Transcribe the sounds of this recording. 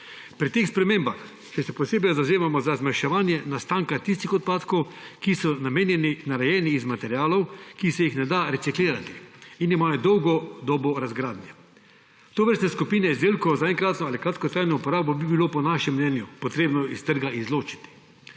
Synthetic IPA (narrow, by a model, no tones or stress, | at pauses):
pɾit̪eːxspɾɛmeːmbax | t͡ʃɛsɛpɔseːbɛjzawzeːmamɔzazmaʃɛʋaːnjɛnast̪aːŋkat̪ist̪ixɔt̪̚paːt̪kɔw | kisɔnameːnjɛninaɾɛjɛːniːzmat̪ɛɾjaːlɔwkisɛjixnɛd̪aɾɛt̪sikliːɾat̪i̥inimaːjɔd̪ɔwɡɔd̪ɔːbɔɾazɡɾaːd̪njɛ | t̪oːʋəɾst̪nɛskupinɛizd̪eːlkɔzaɛŋkɾaːt̪nɔalikɾaːt̪kɔt̪ɾaːjnɔupɔɾaːbɔbibiloːpɔnaʃɛmːnɛːnjupɔt̪ɾeːbnɔist̪əɾɡaʔizloːt͡ʃi̥t̪i̥